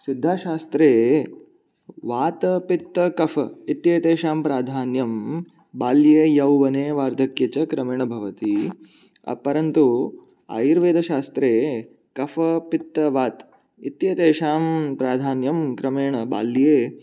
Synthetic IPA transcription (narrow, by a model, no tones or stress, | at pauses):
sid̪ʱːaːʃaːst̪ɾeː | ʋaːt̪ɐpit̪ːɐkɐfɐit̪jeːt̪eːʃaːmpɾaːd̪ʱaːnjɐm | baːljeːjɐwʋɐneːʋaːɾd̪ʱɐkjɐt͡ʃɐkɾɐmeːɳɐbʱɐʋɐt̪i | ɐ̰pɐɾɐnt̪u | a̰ːjiɾʋeːd̪ʱɐʃaːst̪ɾeː | kɐfɐpit̪ːɐʋaːt̪ | it̪jeːt̪eːʃaːmpɾaːd̪ʱaːnjɐmkɾɐmeːɳɐba̰ːljeː